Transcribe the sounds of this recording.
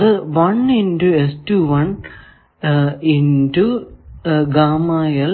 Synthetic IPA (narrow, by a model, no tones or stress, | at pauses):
ðɨʋɐninduestuʋɐn | indu | ɡaːmaːjɐl